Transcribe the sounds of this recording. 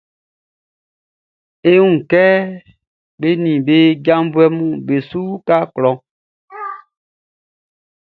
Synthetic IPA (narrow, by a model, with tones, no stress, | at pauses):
e˦ũ˦˨kɛ˦ | be˦nĩ˨be˦ɟã˦m˦bu˦ɛ˦mũ˦be˨su˦ka˦klɔ̃˨